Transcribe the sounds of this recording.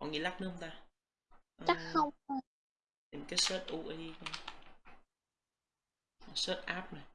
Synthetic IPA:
kɔ̰˨ŋi˨la˦˥k̚nɨ˨˦hə˧mŋ͡mt̪aː˧ | ʔə˨t͡ɕa˦˥xə˧wŋ͡m | i˨˩m˩kaː˨˦jsəː˦˥t̚ʔo˧ʔə˧ | ə˨˩səː˦˥t̚ʔaː˦˥p̚na˨˩j

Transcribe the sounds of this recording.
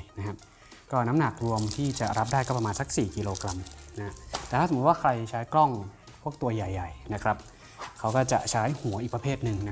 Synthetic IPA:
na˦˥kʰa˦˥p̚ | kɔː˥˩na˦˥mna˨˩k̚ɾu˧əmt̪ʰiː˥˩t͡ɕa˨˩ɾa˦˥p̚daː˥˩jkɔ˥˩p̬̚ɾa˧aː˧nsa˦k̚siː˨˩ki˧loː˧kɾa˧mna˦˥ha˦˥t̪ɛː˨˩t̪ʰa˥˩˨t̪waː˥˩kʰɾa˧jt͡ɕʰaː˦˥jklɔ˥˩ŋ | pʰu˥˩ək̚t̪u˧ɐja˨˩jːa˨˩jna˦˥kʰɾa˦˥p̚ | kʰa˦˥wkɔː˥˩t͡ɕa̰˨˩ʔt͡ɕʰaː˦˥jhu˨˩˦ɐʔiː˨˩k̚pɾa˧pʰeː˥˩t̪̚nɯ˨˧ŋna˦

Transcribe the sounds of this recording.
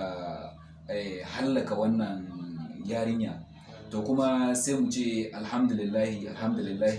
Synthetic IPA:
a˨ | ɛ˨ha˦lːɐ˨ka˨wɐ˦nːɐ˨ŋjaː˦ɽɪ˦ɲja̰ː˨ | toː˨kʷʊ˦ma˦sa˦jmu˨t͡ʃeː˦˨ʔa˨lha˦md̪ʊ˨lɪ˨lːaː˦hi˨ʔa˨lha˦md̪ʊ˨lɪ˨lːaː˦h

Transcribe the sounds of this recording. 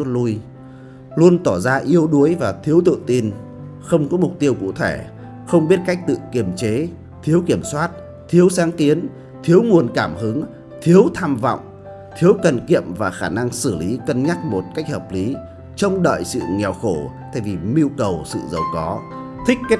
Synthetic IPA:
u˦˥t̚lu˧j | lu˧ənt̪ɔ˧˩zaː˧ʔi˧əwɗu˨˦əjvaː˨˩t̪ʰi˨˦əwt̪ɨ̰˧˨t̪i˧n | xə˧wŋ͡mkɔ˨˦mʊ˨˩k͡p̚t̪i˧əwkṵ˧˨t̪ʰe˧˩ | xə˧wŋ͡mɓi˦˥ət̚ka˦˥jk̚t̪ɨ̰˧˨ki˧˩əmt͡ɕe˨˦ | t̪ʰi˨˦əwki˧˩əmswaː˦˥t̚ | t̪ʰi˨˦əwsaː˨˦ŋki˨˦ən | t̪ʰi˨˦əwmu˨˩ənkaː˧˩mhɨ˨˦ŋ | t̪ʰi˨˦əwt̪ʰaː˧mvɔ̰˧˨wŋ͡m | t̪ʰi˨˦əwkə˨˩nkḭ˧˨əmvaː˨˩xaː˧˩na˧ŋsɨ˧˩li˨˦kə˧nɲa˦˥k̚mo˨˩t̚ka˦˥jk̟̚həː˨˩p̚li˨˦ | t͡ɕə˧wŋ͡mɗə̰ː˧˨jsɨ̰˧˨ŋɛ˨˩wxo˧˩t̪ʰa̰ː˧˨jvi˨˩mi˧ə˧wkə˨˩wsɨ̰˧˨zə˨˩wkɔ˨˦ | t̪ʰï˦˥k̚ke˦˥

